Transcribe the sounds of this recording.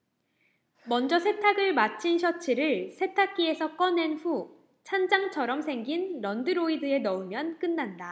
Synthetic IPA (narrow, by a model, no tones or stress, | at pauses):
mʌnd͡ʑʌsʰe̞tʰaɡɯɭmat͡ɕʰinɕʰʌt͡ɕʰiɾɯɭsʰe̞tʰak̚k͈ie̞sʰʌk͈ʌne̞nɸu | t͡ɕʰand͡ʑaŋt͡ɕʰʌɾʌmsʰe̞ŋɡinɾʌndɯɾoidɯe̞nʌumjʌnk͈ɯnːanda